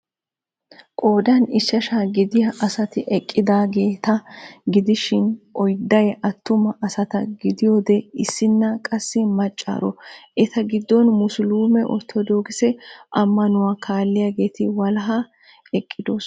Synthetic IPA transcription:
kʼo̞ːd̪ɐnɪsːɐʃaɡɪd̪ɪjɐʔɐsɐt̪ɪʔɛkʼːɪd̪aːɡe̞ːt̪ɐɡɪd̪ɪʃɪnʔɔjd̪ɐjɛʔɐt̪ːʊmɐʔɐsɐt̪ɐɡɪd̪ɪjoːd̪ɛɪsːɪnːɐkʼɐsːɪmɐt͡ʃʼːa̰ːɾɔ̰ʔɛt̪ɐɡɪd̪ːɔnmʊsʊluːmɛʔɔ̰t̪ʰːɔd̪oːɡɪsɛʔɐmːɐnʊwakʰaːlːɪjaɡe̞ːt̪ɪwɐlɐɦɐ | ɛkʼːɪd̪os

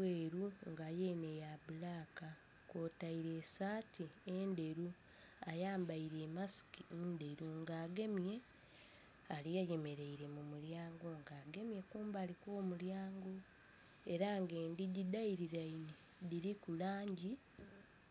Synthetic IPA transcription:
eːɾuŋɡajeːnejaβulaːka | ko̞ːtaiɾe̞ːsaːtiende̞ɾu | ajaːmbaiɾe̞ːmasi̥kinde̞ɾuŋɡaːɡe̞mje̞ | alijeje̞me̞ɾe̞iɾe̞mumuljaːŋɡo̞ŋɡaːɡe̞mje̞kuːmbaːlikwo̞ːmuljaːŋɡo̞ | e̞ɾaŋɡe̞ːndiɟidaiɾiɾaini | diɾikulaːɲɟi

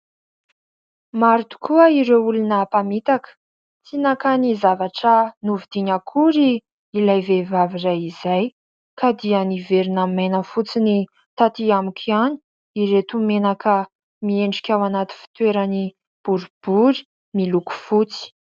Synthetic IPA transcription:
maɾit̪u̥kʰuəiɾewulunəpamit̪akə̥ | t͡sinakanizavaʈ͡ʂənuvid̪̥iɲakʰuɾi | ilajvevavirajizaj | kad̪ianiveɾinamenəfut͡sini | t̪at̪iamikʲʰiani̥ | iɾet̪umenakʰə | mieɳɖ͡ʐi̥kʲawanat̪i̥fi̥t̪weɾani | b̥uɾub̥uɾi̥ | miluku̥fut͡si̥

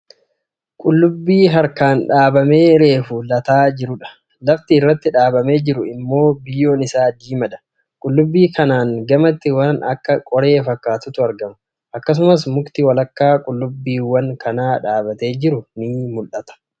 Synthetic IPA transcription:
kʼʊlːʊbːiːɦɐɾkaːnᶑaːbɐme̞ːɾe̞ːfʊlɐt̪aːd͡ʒɪɾʊᶑɐ̥ | lɐft̪ɪːrːɐt̪ːɪᶑaːbɐme̞ːd͡ʒɪɾʊɪmːo̞ːbɪjːo̞ːnɪsaːd̪iːmɐᶑ̪ɐ̥ | kʼʊlːʊbːiːkɐnaːŋɡɐmɐt̪ːɪwɐnɐ̰kːɐkʼɔɾe̞ːfɐkːaːt̪ʊt̪ʊɐɾɡɐmɐ | ʔɐkːɐs̬ʊmɐs̬mʊkt̪ɪwɐlɐkːaːkʼʊlːʊbːiːwɐŋkʰɐnaːᶑaːbɐt̪e̞ːd͡ʒɪɾʊnɪmʊlʔɐt̪ɐ̥

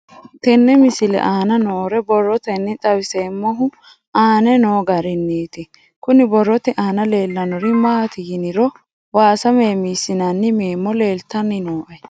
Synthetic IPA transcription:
t̪ɛnːɛmɪsɪlɛ̰ʔaːnɐnoːɾɛbɔrːɔt̪ɛnːɪt̪ʼɐwɪseːmːɔɦʊ | ʔaːnɛnoːɡɐɾɪnːiːt̪ɪ | kʊnɪbɔrːɔt̪ɛʔaːnɐle̞ːlːɐnɔɾɪmaːt̪ɪjɪnɪɾɔ | waːsɐmeːmiːsɪnɐnːɪmeːmːɔle̞ːlt̪ːɐnːɪnoːʔɛ

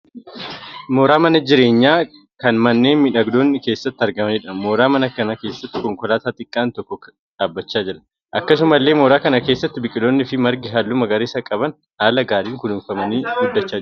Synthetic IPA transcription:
moːɾaːmɐnɐd͡ʒɪɾe̞ːɲːaː | kɐnmɐnːe̞ːnmɪᶑɐɡd̪o̞ːnːɪke̞ːsːɐt̪ːɪɐɾɡɐmɐniːᶑɐmoːɾaːmɐnɐkɐnɐke̞ːsːɐt̪ːɪ̥kɔŋkɔlaːt̪aːt̪ʼɪkʼːaːnt̪ɔkːɔ | ᶑaːbːɐt͡ʃːaːd͡ʒɛᶑɐ | ʔɐkːɐs̬ʊmɐlːe̞ːmoːɾaːkɐnɐke̞ːsːɐt̪ːɪbɪkʼːɪloːnːɪfɪmɐɾɡɪɦɐlːʊmɐɡɐɾeːsɐkʼɐbɐn | haːlɐɡaːɾiːŋkʊnuːnfɐmɐniːɡʊd̪ːɐt͡ʃːaː

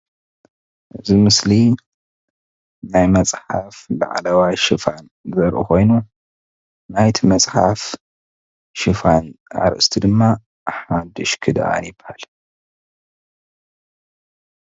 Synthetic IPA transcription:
ʔɨzimɨsli | najmɐt͡sʼħafla̰ʕlɐwajʃɨfan | zɐɾʔukʰo̞jnu | najt̪ʰimɐt͡sʼħaf | ʃɨfana̰ɾʔɨst̪ʰid̪ɨmːa | ħad̪ɨʃkʰɨd̪ʔa̰njɪbhal

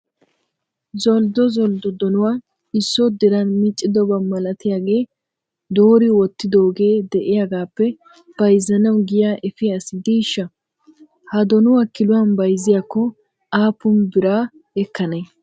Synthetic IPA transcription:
zɔld̪ɔzɔld̪ɔd̪ɔnʊwaː | ɪsːɔd̪ɪɾɐnmɪt͡ʃʼːɪd̪ɔbɐmɐlɐt̪ɪjaːɡe̞ː | d̪oːɾɪwɔt̪ːɪd̪o̞ːɡe̞ːd̪ɛʔɪjaɡaːpːɛ | b̥ɐjzːɐnɐwɡɪjaʔɛfɪɐsɪd̪iːʃːɐ | hɐd̪ɔnʊwaːkɪlʊwɐnbɐjzɪjakːɔ | aːpʊmbɪɾaː | ɛkːɐne

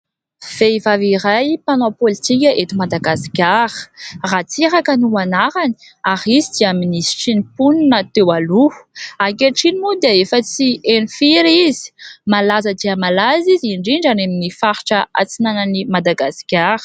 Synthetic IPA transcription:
v̥eivavirajpanopolit̪ikʲəʔet̪imad̪aɡaskʲaɾə̥rat͡siɾakənuanaɾani̥ | aɾizid̪iaminisi̥ʈ͡ʂinipuninat̪ewaluakeʈ͡ʂinimud̪eefət͡sienifiɾizi̥malazəd̪iəmalaziziɳɖ͡ʐiɳɖ͡ʐaneminifaɾi̥ʈ͡ʂəa̰t͡sinanənimad̪aɡasi̥kʲaɾə̥

